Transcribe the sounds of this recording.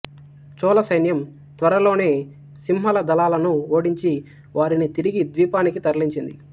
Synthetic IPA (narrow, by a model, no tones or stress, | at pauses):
t͡ʃɔːlɐsɐjnjɐm | t̪ʋɐɾɐlo̞ːne̞ː | simɦɐlɐd̪ɐlaːlɐnuoːɽiɲt͡ʃi | ʋaːɾinit̪iɾiɡid̪ʋiːpaːnikit̪ɐɾliɲt͡ʃind̪ḭ